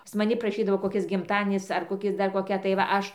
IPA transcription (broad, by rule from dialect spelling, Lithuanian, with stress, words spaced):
pɐs mɐˈnʲɪ prɐˈʃʲiːdɐʋoː koːˈkʲɪs ɡʲɪmˈtɑːdʲiɛnʲɪs ɐr koːˈkʲɪs dɐr koːˈkʲɛ tɐɪ ʋɐ ˈɐʃ